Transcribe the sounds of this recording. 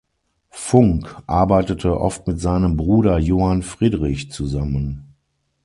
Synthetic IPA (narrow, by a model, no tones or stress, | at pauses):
fʊŋkʔa̰ɐbaɪtətʰəʔɔftmɪtz̥aɪnəmbʁuːɾɐjoːhanfʁ̥iːdʁɪçt͡suzamən